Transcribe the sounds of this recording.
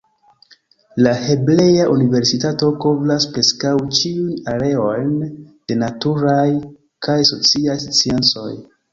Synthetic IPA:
lahe̞ble̞jaʔunive̞ɾsitato̞ko̞blaspɾe̞skawt͡ʃiujnaɾe̞o̞jn | d̥e̞natuɾaj | kajso̞t͡siajst͡sient͡so̞̰j

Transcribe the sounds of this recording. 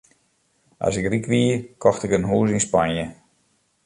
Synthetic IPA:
ʔa̰sɪkrikʋiəkʰɔxtɪkənɦuːs̬inspanjə

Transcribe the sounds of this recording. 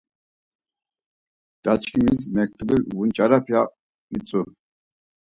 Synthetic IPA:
d̪̥at͡ʃkʰʼimismɛk̚t̪ʰbiɾvunt͡ʃʼaɾapʰja | mit͡sʼu

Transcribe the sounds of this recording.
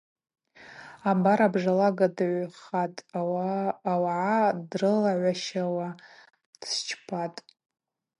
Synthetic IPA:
abaɾabʐalaɡadɨʕʷχatʼː | waʕadrɨlaʕʷaʃawa | d̥st͡ʃʰpʰatʼ

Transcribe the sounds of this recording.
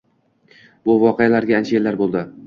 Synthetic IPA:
bʊvɒqejalaɾɡʲaant͡ʃʰaelːaɾbolˠd̪ɪ

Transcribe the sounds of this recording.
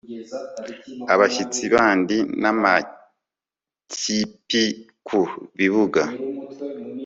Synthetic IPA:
aβaʃit͡siβaːndinama | cʰipi | kʰuβiβuɡa

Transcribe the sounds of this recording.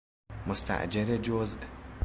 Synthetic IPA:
most̪ʰæ̰ʔd͡ʒeɾed͡ʒozʔ

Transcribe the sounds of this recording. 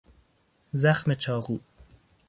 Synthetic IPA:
zaχmet͡ʃʰɑːɣuː

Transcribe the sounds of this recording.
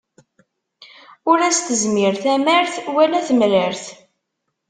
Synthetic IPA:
ʊɾæst̪əzmɪɾθæməɾθwælæθmɾəɾθ

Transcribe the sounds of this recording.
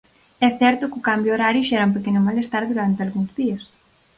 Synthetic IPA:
ɛθɛɾt̪ʊkʊkambjʊoɾaɾjʊʃɛɾɐũmp̬ekenʊmalest̪aɾðuɾant̪ealɣuŋzðiɐs

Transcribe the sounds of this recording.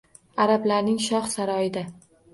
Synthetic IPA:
aɾablaɾnɪŋʃɒχsaɾɒɪd̪a

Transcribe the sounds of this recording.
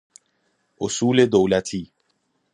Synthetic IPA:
ʔosuːled̪owlæt̪ʰiː

